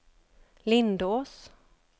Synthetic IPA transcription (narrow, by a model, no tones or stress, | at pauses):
lɪnd̪oːs